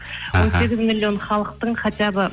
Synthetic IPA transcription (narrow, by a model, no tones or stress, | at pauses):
wo̞nse̞ɡʲɪzmilʲːio̞nχɑlˠəq̚t̪əɴqʰɑt̪ɑbə